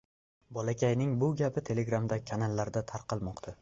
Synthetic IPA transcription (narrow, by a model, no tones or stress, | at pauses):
bɒlˠakʲʰajnɪŋbʊɡʲapʰɪt̪ʰe̞le̞ɡɾamd̪akʲʰanalːaɾd̪at̪ʰaɾqʰɑlˠmɒqt̪ʰa